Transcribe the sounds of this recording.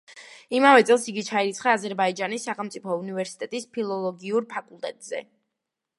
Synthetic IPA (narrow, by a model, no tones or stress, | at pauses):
imavɛt̪sʼɛlˠsiɡit͡ʃʰaiɾit̪sʰχaːzɛɾbaid͡ʒanisːaχɛlˠmt̪sʼipʰɔunivɛɾsi̥t̪ʼɛt̪ʼispʰilˠɔlˠɔɡiuɾpʰakʼulˠt̪ʼɛt̪ʼz̥ɛ̰